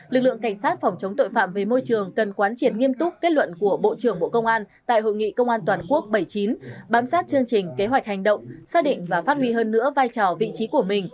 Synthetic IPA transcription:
lɨ˨˩k̚lɨ̰˧˨əŋka˧˩ŋ̟saː˦˥t̚fɔ˧˩wŋ͡mt͡ɕə˨˦wŋ͡mt̪o̰˧˨jfa̰ː˧˨mve˨˩mo˧jt͡ɕɨ˨˩əŋkə˨˩nkwaː˨˦nt͡ɕi˧˩ənŋi˧əmt̪ʊ˦˥k͡p̚kːe˦˥t̚lwə̰˧˨nku˧˩əɓo̰˧˨t͡ɕɨ˧˩əŋɓo̰˧˨kə˧wŋ͡mʔaː˧n | t̪a̰ː˧˨jɦo̰˧˨jŋḭ˧˨kə˧wŋ͡mʔaː˧nt̪waː˨˩nku˦˥ək̚ɓə˧˩jt͡ɕi˨˦nɓaː˨˦msaː˦˥t̚t͡ɕɨ˧əŋt͡ɕï˨˩ŋ̟ke˨˦ɦwa˨˩jk̟̚ha˨˩jŋ̟ɗə̰˧˨wŋ͡msaː˦˥ɗḭ̈˧˨ŋ̟vaː˨˩faː˦˥t̚hwi˧ɦəː˧nːɨ̰˧˥əvaː˧jt͡ɕɔ˨˩vḭ˧˨t͡ɕi˨˦ku˧˩əmï˨˩ŋ̟

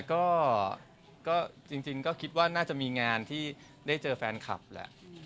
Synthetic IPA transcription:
kɔː˥˩ | kɔː˥˩t͡ɕi˧ŋt͡ɕi˧ŋkɔː˥˩kʰi˦˥t̪̚waː˥˩naː˥˩t͡ɕa˨˩ʔmiː˧ŋaː˧nt̪ʰiː˥˩ | daː˥˩jt͡ɕɤː˧fɛː˧nkʰa̰˨˩p̚lɛ̰˨˩ʔ

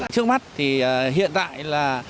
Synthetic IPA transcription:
t͡ɕɨ˦˥ək̚ma˦˥t̚t̪ʰi˨˩ɦḭ˧˨ənt̪a̰ː˧˨jlaː˨˩

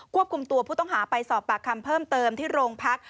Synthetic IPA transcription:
kʰu˥˩əp̚kʰu˧mt̪u˧ɐpʰuː˥˩t̪ɔ˥˩ŋɦaː˩˦pa˧jsɔː˨˩p̚ːa˨˩kʰːa˧mpʰɤː˥˩mt̪ɤː˧mt̪ʰiː˥˩ɾoː˧ŋpʰa˦˥k̚

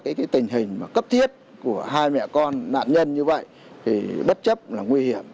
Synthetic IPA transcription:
kaː˨˦jkaː˨˦jt̪ï˨˩ŋ̟ɦï˨˩ŋ̟maː˨˩kə˦˥p̚t̪ʰi˦˥ət̚ | ku˧˩əɦaː˧jmɛ̰˧˨kɔ˧nːa̰ː˧˨nɲə˧nɲɨ˧və̰˧˨j | t̪ʰi˨˩ɓə˦˥t̚t͡ɕə˦˥p̚laː˨˩ŋwi˧hi˧˩əm

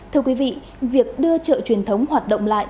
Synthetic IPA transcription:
t̪ʰɨ˧əkwi˨˦vḭ˧˨ | vi˨˩ək̚ɗɨ˧ət͡ɕə̰ː˧˨t͡ɕwi˨˩ənt̪ʰə˨˦wŋ͡mhwaː˨˩t̚ɗə̰˧˨wŋ͡mla̰ː˧˨j

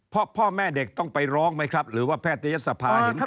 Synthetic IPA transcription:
pʰɾɔ˦˥pʰɔː˥˩mɛː˥˩de˨˩k̚t̪ɔ˥˩ŋpa˧jɾɔː˦˥ŋma˦˥jkʰɾa˦˥p̚ɾɯː˩˦waː˥˩pʰɛː˥˩t̪ːa˧ja˦˥t̪sa˧pʰaː˧˦˥

